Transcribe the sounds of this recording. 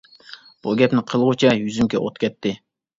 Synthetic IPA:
b̥uɡʲɛpnɪqʰəlˠʁʊt͡ʃʰɛjyzymkʲʰɛ̰ʔot̪kʲʰɛt̪ːɪ

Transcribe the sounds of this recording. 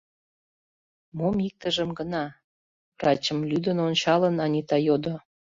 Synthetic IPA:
momik̚t̪əʒəmɡənɑ | vrɑt͡ɕəmlyd̪ənonʲt͡ɕɑlənɑnʲit̪ɑjod̪o

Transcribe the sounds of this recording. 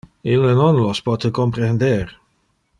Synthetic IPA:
ilənɔnlɔspɔt̪əkompɾend̪eɾ

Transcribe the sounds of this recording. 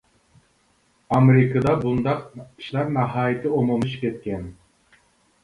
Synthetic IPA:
ɑmeɾɪkɨd̪ɑbund̪ɑqiʃlˠɑɾnɑɦɑːjɨt̪ʰɨomumɨʃi̥p̚ʲkʰʲɛt̪̚kʲɛn

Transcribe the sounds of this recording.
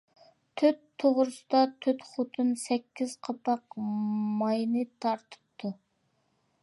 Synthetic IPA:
t̪ʰøt̪ʰːoʁɾɨsɨd̪ɑt̪ʰøt̪χot̪ʰɨnsɛkʲʰːiz̥qʰɑpɑqmɑjnɨt̪ʰɑɾt̪ʰɨ̥p̚t̪ʰːu

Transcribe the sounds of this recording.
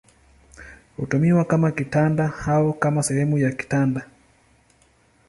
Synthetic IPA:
hutumiwakamakitandahaɔkamasɛhɛmujaki̥tanda

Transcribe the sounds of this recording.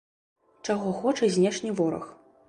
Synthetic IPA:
t͡ʂaɣɔxɔt͡ʂɐzʲnʲɛʂnʲivɔɾɐ̰x

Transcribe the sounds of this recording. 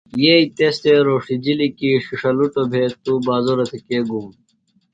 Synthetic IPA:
jeit̪est̪eɾoːʂid͡ʑilikiːʂiʂɐluʈobʱeːt̪ːubaːzoɾɐt̪ʰekeːɡum

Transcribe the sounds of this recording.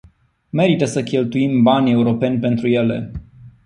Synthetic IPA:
me̞ɾit̪əsəkʲe̞lt̪uimbanʲe̞uɾo̞pe̞nʲpe̞nt̪ɾuje̞le̞̰

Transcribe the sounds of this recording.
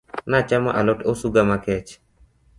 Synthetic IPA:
nat͡ʃama̰ʔalɔʈosuɡamakɛt͡ʃ

